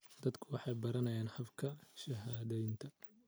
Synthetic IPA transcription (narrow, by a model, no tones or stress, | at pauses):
d̪ɐd̪kʰʊwɑħɑjbɐɾɐnɐjaːnħɐbkʰɐʃɐɦaːðɐɪnt̪ʰɐ